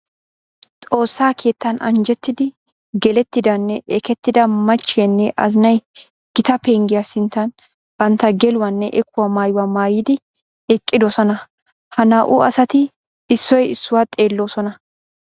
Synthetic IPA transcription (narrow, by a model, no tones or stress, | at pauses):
t̪ʼo̞ːsːaːkʰe̞ːt̪ːɐnɐ̰nd͡ʒɛt̪ːɪd̪ɪ | ɡɛlɛt̪ːɪd̪ɐnːɛʔɛkɛt̪ːɪd̪ɐmɐt͡ʃːɪjɐnːɛʔɐ̰zɪnɐj | ɡ̥ɪt̪ɐpe̞ːŋɡɪjasɪnt̪ːɐn | b̥ɐnt̪ːɐɡɛlʊwɐnːɛʔɛkːʊwɐmaːjʊwamaːjɪd̪ɪ | ɛkʼːɪd̪osɔnɐ | hɐnaːʔʊɐsɐt̪ɪ | ɪsːɔjɪsːʊwat̪ʼe̞ːlːo̞ːsɔnɐ